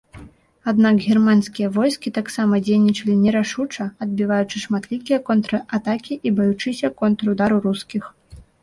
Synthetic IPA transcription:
ad̪nakɣʲirmansʲkʲijɐvɔjskʲit̪aksamɐd͡zʲejnʲit͡ʂɐlʲinʲɛɾaʂut͡ʂɐɐd̪̚bʲivajut͡ʂɨʂmat̪lʲikʲijɛɐkɔnt̪ɾɐʔat̪akʲiʔibajut͡ʂɨsʲɐkɔnt̪ɾɐud̪aɾuɾuskʲix

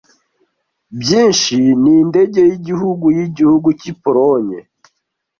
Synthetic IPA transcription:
bjiːnʃininde̞ɟe̞jiɟihuɡujiɟihuɡucipoɾoɲe

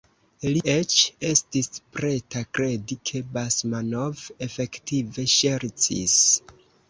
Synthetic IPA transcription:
liʔe̞t͡ʃe̞stispɾe̞takɾe̞dikʰe̞basmanove̞fe̞ktive̞ʃe̞ɾtḭs

